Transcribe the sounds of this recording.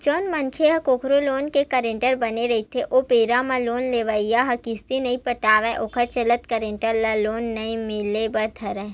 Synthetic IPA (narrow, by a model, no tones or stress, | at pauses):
t͡ʃoːnmɐnkʰeɦɐkoːkʰɾoloːnkekɐɾẽːɳʈəɾbɐneɾɐɦit̪ʰeʔoːpeːɾamãloːnleːʋaijaɦɐkist̪inɐĩpɐʈaːʋɛʔoːkʰəɾt͡ʃɐlət̪kəɾẽːɳʈəɾlaloːnːɐĩmɪlebɐɾt̪ʰɐɾɛ